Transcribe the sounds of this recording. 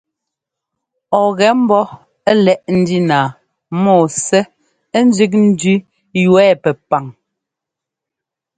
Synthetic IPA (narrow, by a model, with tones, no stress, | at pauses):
ɔ˨ɣɛ˨˦m̩˦bɔ˦ | ɛ˦lɛ˨ʔn̩˦di˦naː˨ | mɔː˦˨sɛ˦ | n̩˦d͡ʒi˦k̬̚n̩˦dʉ˦ | jwɛː˦˨pɛ˨pa˨ŋ